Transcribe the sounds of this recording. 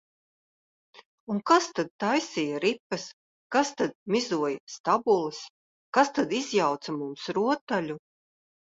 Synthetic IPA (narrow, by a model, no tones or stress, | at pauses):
unkast̪ad̪̚t̪ajsijaɾipːɐs | kast̪ad̪̚mʲizuɔjst̪abulˠɨs | kast̪ad̪izjawt̪samumsɾuɔt̪ːalʲu